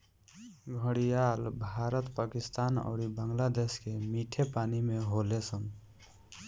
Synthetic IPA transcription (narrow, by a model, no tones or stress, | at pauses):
ɡʱəɽijalbʱaɾət̪pakist̪aːnə̰ʊɾibəŋɡlad̪eskemiʈʰepaːnimeɦolesən